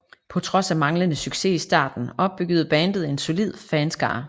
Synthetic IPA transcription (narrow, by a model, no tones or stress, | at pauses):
pʰɒ̽t͡sʰʁɒ̽sæmɑ̈ŋlənəsyɡ̥se̝isd̥ɑ̰̈ːd̥n̩ɒ̽b̥̚b̥yɡ̥ð̞̩ˠb̥ænd̥ð̞̩ˠe̝nso̝lið̞̰ˠfɛnsɡ̥ɑ̰̈ː